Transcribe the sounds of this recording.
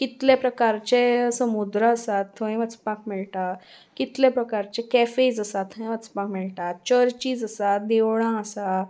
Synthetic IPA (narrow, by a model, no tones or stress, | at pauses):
kit̪lepɾəkaɾt͡ɕesəmud̪ɾəəsat̪ʰːə̃j̃ʋət͡spãkmiɭʈa | kit̪lepɾəkaɾt͡ɕekɛfed͡zəsat̪ʰːə̃j̃ʋət͡spãkmiɭʈat̪̚t͡ɕəɾt͡ɕiːd͡zəsat̪̚d̪eʋɭãəsa